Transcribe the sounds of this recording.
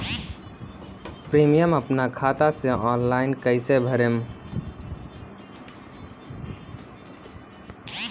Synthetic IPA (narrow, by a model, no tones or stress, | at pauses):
pɾimijəməpnakʰat̪aseʔɔnlaɪnkəɪsebʱəɾem